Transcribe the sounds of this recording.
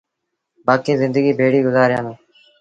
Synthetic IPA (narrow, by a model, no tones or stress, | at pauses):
baːkiːzɪnd̪əɡiːbʱeːɽiːɡʊzaːɾɪjãːnõː